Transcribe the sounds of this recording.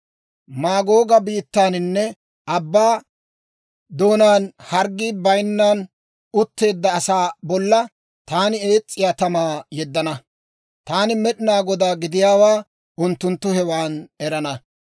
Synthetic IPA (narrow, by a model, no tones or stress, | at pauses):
maːɡo̞ːɡɐbiːt̪ːaːnɪnːɛ | ʔɐbːaː | d̪o̞ːnaːnhɐɾɡːiːbɐjnːaːn | ʊt̪ːe̞ːd̪ːɐːsaːbɔlːɐ | t̪aːnɪe̞ːt͡sʼːɪjaːt̪ɐmaːjɛd̪ːɐnɐ | t̪aːnɪmɛɗɪnaːɡɔd̪aːɡɪd̪ɪjaːwaː | ʊnt̪ːʊnt̪ːʊhɛwaːnɛɾɐnɐ